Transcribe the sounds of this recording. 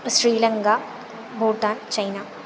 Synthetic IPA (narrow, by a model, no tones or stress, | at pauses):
sɾiːlɐŋkaː | bʱuːʈaːnt͡ʃɐjnaː